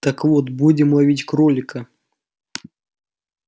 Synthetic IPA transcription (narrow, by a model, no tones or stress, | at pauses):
t̪ɐkvot̪budʲɪmlˠɐvʲitʲkɾolʲɪkə